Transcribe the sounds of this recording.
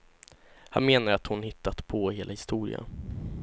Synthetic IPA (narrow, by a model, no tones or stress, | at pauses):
ha̰nmeːnaɾat̪hʊnhɪt̪ːat̪pʰɔheːlʔahɪst̪uːɾɪ̰a̰